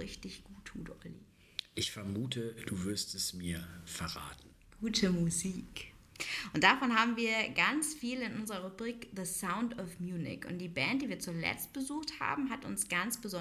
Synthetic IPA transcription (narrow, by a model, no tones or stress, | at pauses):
ɪçtɪçɡ̥uːtʰːuːtʔɔlḭ | ʔɪçfɛɐmuːtʰəd̥uːvʏɐstɛsmiːɐfɛɐʁa̰ːtn̩ | ɡ̥uːtʰəmuziːk | ʔʊnt̚d̥afɔnɦaːbm̩viːɐɡant͡sfiːlɪnʔʊnzəʁɐʁubʁiːkðəsaʊntɔfmjuːnɪ̰kʊ̰nt̚d̥iːbɛːntd̥iːviːɐt͡suːlɛ̰t͡st̚b̥əzuːxtha̰ːbm̩ɦatʊ̰nsɡ̥ant͡sb̥əzɔ